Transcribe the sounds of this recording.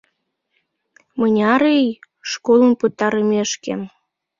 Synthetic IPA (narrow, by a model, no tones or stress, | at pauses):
mənʲɑɾej | ʃkolˠənpət̪ːɑɾəmeʃkḛm